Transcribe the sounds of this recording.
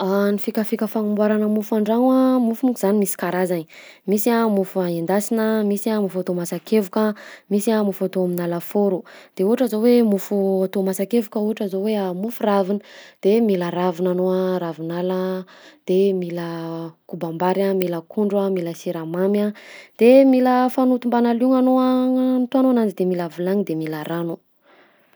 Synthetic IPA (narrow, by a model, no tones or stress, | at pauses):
anifikʲəfikʲəfaŋumbwaɾanəmufuaɳɖ͡ʐaŋwamufumukiz̥animisi̥kaɾazani | misiamufuaind̪asinəmisiamufat̪omasakevukəmisiamufat̪oaminaləfoɾud̪̥euɦaʈ͡ʂazowemufuat̪omasakevukəuɦaʈ͡ʂazoweamufuravinəd̪̥emilaɾavinanoaɾavinaləd̪̥emiləkubambaɾamiləkʰuɳɖ͡ʐamiləsiɾamamad̪̥emiləfanut̪umbanaluŋanoant̪oanoanand͡ʒid̪emilavilaŋid̪emilaɾanu